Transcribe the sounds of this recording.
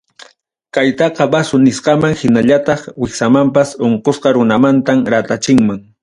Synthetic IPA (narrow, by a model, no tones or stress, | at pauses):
kajt̪ɑqɑbasʊnɪsqɑmaŋhɪnaʎat̪ɑχwɪxsamampasoɴqosqɑɾʊnamant̪amɾat̪at͡ʃɪŋmaŋ